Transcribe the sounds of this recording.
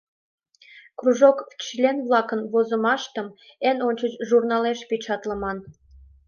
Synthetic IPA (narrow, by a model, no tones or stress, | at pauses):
kruʒokt͡ɕlʲenβlɑkənβozə̆mɑʃt̪əm | enonʲt͡ɕət͡ɕʒurnɑleʃpit͡ɕɑt̪ləmɑn